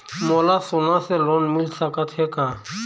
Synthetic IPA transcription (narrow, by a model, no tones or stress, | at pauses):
moːlaːsoːnãːseːloːnmɪlsəkət̪ɦeːkaː